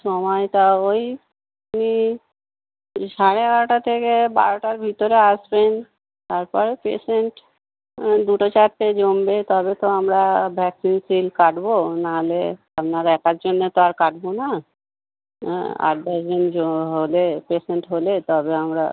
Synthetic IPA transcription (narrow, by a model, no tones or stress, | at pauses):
ʃɔmɔjt̪aoj | ni | ʃaɾeɛɡaɾoʈat̪ʰekebaɾoʈaɾbʱit̪oɾeaʃben | t̪aɾpɔɾepḛʃeɳʈ | d̪uʈot͡ɕaɾted͡ʑombet̪ɔbet̪oamɾabʱɛksinsilkaʈbonaɦole | apnaɾɛkaɾd͡ʑonːet̪oaɾkaʈbona | a̰ʈ̚basd͡ʑond͡ʑoɦolepeʃeɳʈɦolet̪ɔbeamɾa̰